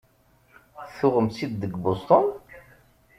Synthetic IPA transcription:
θʊʁəmsid̪ːəɡbost̪ˤon

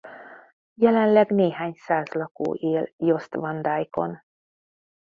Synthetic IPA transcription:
jɛlɛnlɛɡneːɦaːɲsaːzlɒko̰ːʔeːljo̞st̪vɒnd̪aːjko̞̰n

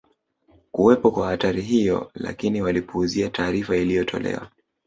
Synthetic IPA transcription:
kuwɛpɔkwahataɾiɦijɔ̰la̰kiniwalipuːziataːɾifailijɔtʰɔ̰lɛ̰wa̰

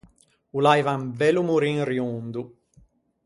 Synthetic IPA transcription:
ulajvambɛlumuɾiŋrjund̪u

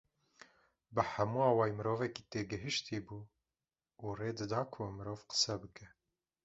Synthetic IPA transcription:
bɨħæmuːɑːwɑːjmɨɾoːvɛkiːt̪eːɡɨɦɨʃt̪ʰiːbuː | reːd̪ɨd̪ɑːkʰomɨɾoːvqə̥sɛbɨkɛ

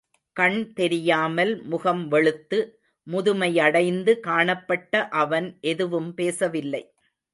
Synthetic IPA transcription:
kɐɳt̪ɛɾɪjaːmɐlmʊɣɐmʋɛɭɯt̪ːɯ | mʊðʊmɐɪɐɽɐɪnd̪ɯkaːɳɐpːɐʈːɐʔɐʋɐnʔɛðɯʋɯmpeːsɐʋɪlːɐɪ

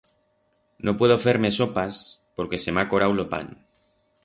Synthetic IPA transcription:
nopwe̞ð̞ofeɾme̞so̞paspo̞ɾke̞semako̞ɾawlopa̰n

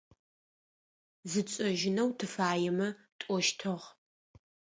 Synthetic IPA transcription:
zɨt͡ʃʼɐʒɪnɐwtʰɨfaːjɛmɐ | tʷʼɔʃtʰɐʁ

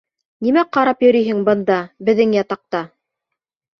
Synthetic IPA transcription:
nimæqɑɾɑpjɵ̆ɾijɦɘŋbɤ̆nd̪ɑbɘ̆ðːɘŋjɑt̪ɑq̚t̪ɑ

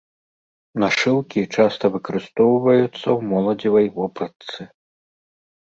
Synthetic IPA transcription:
naʂɨwkʲit͡ʂast̪ɐvɨkɐɾɨst̪ɔwvɐjut̪sːɐwmɔlˠɐd͡zʲivɐjvɔpɾɐt̪sɨ

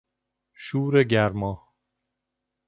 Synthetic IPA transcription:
ʃuːɾeɟæɾmɒː

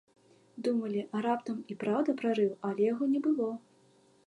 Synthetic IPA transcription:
d̪umɐlʲiʔɐɾapt̪ɐmipɾawd̪ɐpɾaɾɨwɐlʲɛjaɣɔnʲɛbɨlˠɔ

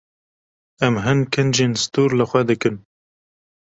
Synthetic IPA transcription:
ɛmɦɨnkʰɨnd͡ʒeːnst̪uːɾləxʷɛd̪ɨkɨn

